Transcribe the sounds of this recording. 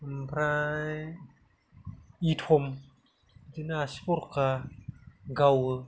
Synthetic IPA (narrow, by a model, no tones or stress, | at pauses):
mpɾã | itxom | tinaspoɾka | ɡawə